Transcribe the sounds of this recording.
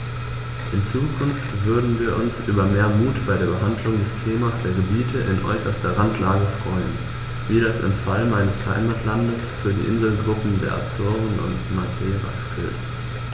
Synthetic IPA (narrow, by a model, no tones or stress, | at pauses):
ʔɪnt͡suːkʰʊnftv̥ʏɐdn̩viːɐʔʊnsʔyːbɐmeːɐmuːtb̥aɪɾeːɐbəɦandlʊŋdɛstʰeːmasd̥eːɐɡəbiːtʰəʔɪ̰nʔɔ̰ʏsɐstɐʁantʰlaːɡəfʁ̥ɔʏən | viːɾasɪ̰mfalmaɪnəsha̰ɪmatʰlandəsfyːɐdḭːʔɪnzl̩ɡʁʊpm̩deːɐʔa̰pz̥ʊɐvn̩ʊ̰ntmakʰeːʁa̰sɡ̥ɪ̰lt